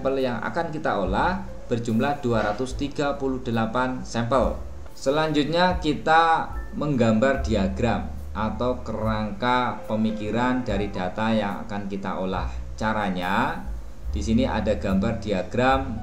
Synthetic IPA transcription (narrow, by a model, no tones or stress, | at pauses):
mpəljaŋa̰kankit̪aolah | b̥ərd͡ʒumlahd̥uaɾat̪ʊst̪iɡapuluhd̥əlapansɛmpəl | səlaɲd͡ʒut̪̚ɲakit̪aməŋɡambardiaɡɾam | ʔat̪awkəɾaŋkapəmikiɾandaɾidat̪ajaŋa̰kankit̪a̰ʔola̰ht͡ʃaɾaɲa | d̥isiniʔa̰daɡ̥ambardiaɡ̥ɾam